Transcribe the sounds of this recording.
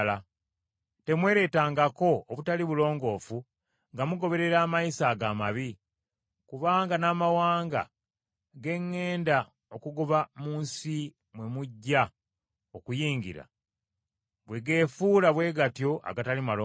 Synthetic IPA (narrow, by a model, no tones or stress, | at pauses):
la | te̞mwe̞ːɾe̞ːtaːŋɡako̞ːβutaliβulo̞ːŋɡo̞ːfu | ŋɡamuɡo̞βe̞ɾe̞ɾaːmajisaːɡaːmaβi | kuβaːŋɡanaːmawaːŋɡa̰ | ɡe̞ŋːe̞ːnda | okuɡuβamuːnsi | mwe̞muɟːa | o̞kujiːɲɡḭɾa̰ | βwe̞ɡe̞ːfuːlaβwe̞ːɡatjo̞ʔa̰ɡatalimalo